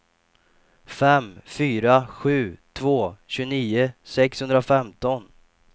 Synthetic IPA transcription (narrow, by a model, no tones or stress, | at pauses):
fɛmfyːɾaɧʉ̟ːt̪ʰvoːɕɵniːʊsɛkshɵnd̪ɾafɛmt̪ɔn